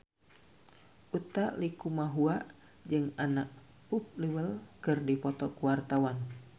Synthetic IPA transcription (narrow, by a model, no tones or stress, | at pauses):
ʔut̪alikumaɦuaʔ | d͡ʒɨŋanaʔ | up̚liwəlkɨrdipɔt̪ɔkuwart̪awan